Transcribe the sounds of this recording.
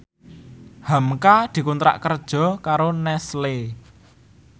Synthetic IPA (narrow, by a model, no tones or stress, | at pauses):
hamkad̪̥i̤kunt̪ɾa̰ʔkərd̥ʒ̥ɔ̤kaɾonɛsle